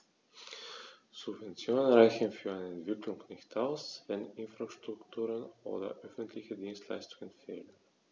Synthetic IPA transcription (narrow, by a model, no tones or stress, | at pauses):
z̥ʊbvɛnt͡sjoːnənʁaɪçn̩fyːɐaɪnəɛntv̥ɪklʊŋnɪçtaʊsvɛnɪnfʁ̥aʃtʁ̥ʊktʰuːʁənʔo̰ːdɐ̰ʔœfn̩tʰlɪçədiːnstʰla̰ɪstʊŋənfḛːlən